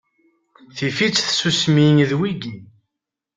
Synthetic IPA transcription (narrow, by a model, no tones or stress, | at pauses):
θifit͡sːθsusmiŋðwiɡi